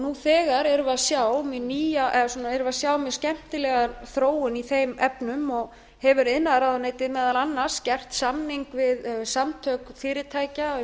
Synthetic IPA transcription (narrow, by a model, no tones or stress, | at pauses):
nuθɛːɣaɾɛɾvaðsjaːwmɪðniːjaʔɛðasɔːnaɛɾvaðsjaːwmɪðscɛm̥t̪ɪlɛɣaɾθɾoːwʏniθejmɛpnʏmɔɣ | hɛvʏɾɪðnaðɾaðaneːjt̪ɪðmɛːðalanːaɾ̥scɛr̥t̪samniŋkvɪðsamt̪ʰœkfɪːɾɪt̪ʰaːjca